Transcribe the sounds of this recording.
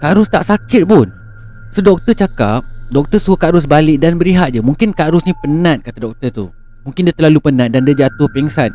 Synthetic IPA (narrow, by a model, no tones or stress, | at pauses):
kaʔɾʊst̪aʔsakɪt̪̚pʊn | sodɔk̚t̪ət͡ʃaka̰p̚dɔk̚t̪ərsukaɾʊs̬balɪʔ̚danbəɾiɦat̪̚d͡ʒamũŋkɪnkaɾʊsnĩpənãt̪̚kat̪adɔk̚t̪ərt̪u | mũŋkɪndiat̪ərlalupənãt̪̚dandiad͡ʒat̪ʊhpɛŋsan